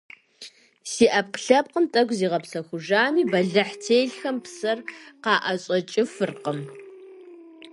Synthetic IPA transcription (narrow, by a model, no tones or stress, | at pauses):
siːʔɐp̚qɬɐp̚qəntʼɐɡʷziːʁɐpsɐxʷʊʒaːmiːbɐɮɐħtʰeːjɮxɐmpsɐrqɑːʔɐɕʼɐt͡ʃʼɪfɨrqəm